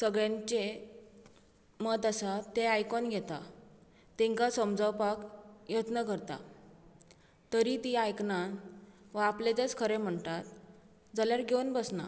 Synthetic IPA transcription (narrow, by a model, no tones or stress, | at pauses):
səɡɭjãɲt͡ɕe | məd̪əsat̪eajkɔnɡʱɛt̪a | t̪ẽŋkasəmd͡zʱəwpakjət̪nəkəɾt̪a̰ | t̪əɾit̪iajknanʋaplet͡s̪et͡skʰəɾem̤əɳt̪at̪̚ | d͡zaljaɾɡʱenbəsna̰